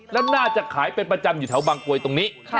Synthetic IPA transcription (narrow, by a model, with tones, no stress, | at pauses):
lɛ˦˥naː˥˩t͡ɕa˨˩kʰaː˩˦jpe˧npɾa˧t͡ɕa˧mjuː˨˩t̪ʰɛ˩˦wbaː˧ŋku˧əjt̪o˧ŋniː˦˥˩